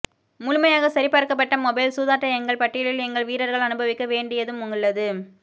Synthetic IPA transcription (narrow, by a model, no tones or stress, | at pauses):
mʊlʊmɐjaːɣɐsɐɾɪpːɐɾɯkːɐpːɐʈːɐmɔbɐɪlsuːðaːʈːɐɛŋɡɐɭpɐʈːɪjɐɭɪlɛŋɡɐɭʋiːɾɐɾɣɐɭɐnɯbɐʋɪkːɐʋeːɳɖɪjɐðɯmʊŋɡɐɭːɐðɯ